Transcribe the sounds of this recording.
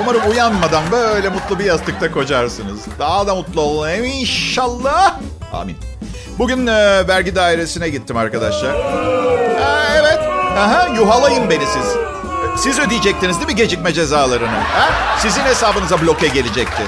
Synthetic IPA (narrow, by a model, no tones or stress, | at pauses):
umaɾɯmujanmad̪and̪aø̞jlʲɛmut̪lˠɯbijazt̪ʰɯk̚t̪ʰakʰo̞d͡ʒaɾsɯnɯzd̪aːd̪amut̪lˠaolˠuneinʃalˠːah | a̰ːmḭn | buɟynːvæɾɟid̪aːiɾe̞sinɛɟit̪ʰːimaɾkad̪aʃlˠaɾ̥ | hɛevɛt̪hɛ̃ɦɛ̃juɦalˠajɯmbe̞nisiz̥ | sizød̪ijd͡ʒɛc̚t̪ʰinizd̪ibiɟe̞d͡ʒicʲmɛd͡ʒe̞zaːlˠaɾɯnɯhæsizinhe̞saːbɯnɯzablʲo̞kɛɟe̞lʲid͡ʒɛc̚t̪ʰɪ